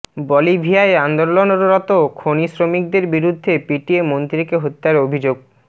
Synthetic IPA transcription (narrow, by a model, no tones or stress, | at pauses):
bɔlibʱiaeand̪ollonoɾɾɔt̪okʰonisɾomik̚d̪eɾbiɾud̪ʱːepiʈiemont̪ɾikeɦot̪ːaɾobʱid͡ʑoɡ̚